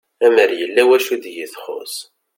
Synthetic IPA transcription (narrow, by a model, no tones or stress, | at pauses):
æməɾjəlːæwæʃud̪jəθχo̰s